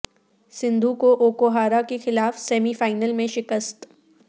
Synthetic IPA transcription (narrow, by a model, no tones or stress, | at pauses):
sɪ̃nd̪ʱukoʔoːkoɦaːɾakexɪlaːfsɛːmifaːɪnəlmẽʃɪkəst̪